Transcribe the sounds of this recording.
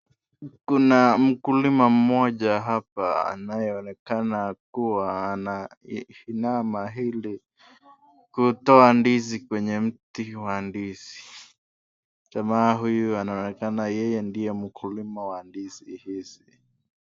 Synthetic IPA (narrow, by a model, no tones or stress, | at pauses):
kunam̩kulimam̩mɔʄaɦap̚aa̰najɛɔnɛkanakuwaːna | hinamaɦili | kutɔandizikwɛɲɛm̩tiwandiz̥i | tamaːɦujuanaɔnɛkanajɛjɛndijɛm̩kʰulimawandizihizi